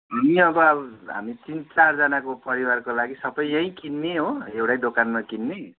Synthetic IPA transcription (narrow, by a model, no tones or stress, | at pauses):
ɦamiʌbʌʌbɦa̰mitint͡sard͡zʌnakopʌɾiwarkolaɡisʌbʌjʌĩkinːeɦoewɽajd̪okanmakinːe